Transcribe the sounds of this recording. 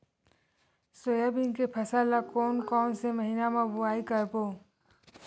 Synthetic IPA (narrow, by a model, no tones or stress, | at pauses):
soːjabinkepʰəsaːlakɔːnkɔːnseməɦinamãbʊaːikəɾpoː